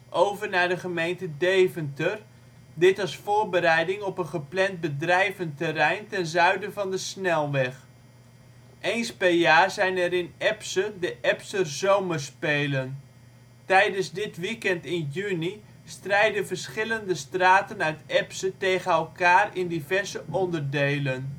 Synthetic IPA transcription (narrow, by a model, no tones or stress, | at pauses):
ʔowvəɹnaɹdəχəmejntədejvəntər | dɪtɑsfoːɹbəɾɛjdɪŋɔpənχəplɛnd̚bədrɛjvəntərɛjntɛnzœɥdəvɑndəsnɛlˠʋɛχ | ʔejnspɛrjaːzɛjnɛɾɪnɛpsədəʔɛpsərzowmərspeːlən | tɛjdənzdɪtʋikɛntɪnjyni | strɛjdəvərsχɪləndəstraːtənœɥtɛpsətejɣənɛlˠkaːrɪndivɛɹzəʔɔndərdejlən